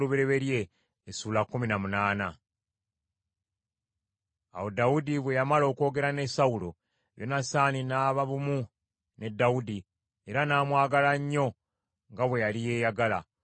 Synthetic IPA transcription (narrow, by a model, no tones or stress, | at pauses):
luβiɾe̞βe̞ɾje̞ː | suːlakːuminamunaːna | a̰wo̞daudiβwe̞jamalo̞ːko̞ːɡe̞ɾane̞saulo̞ | βjo̞nasaːninaːβaβumu | ne̞dːaudi | eɾanaːmwaːɡalaɲːo̞ | ŋɡaβwe̞jalije̞ːjaɡala̰